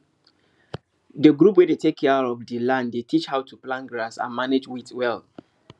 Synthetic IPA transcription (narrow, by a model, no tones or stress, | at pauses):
dəɡɹup̬wɛdetekʰɛaɔvdəlãnddetʰit͡ʃhaʊtʰuplãnɡɹasã̰nmaned͡ʒwitwɛl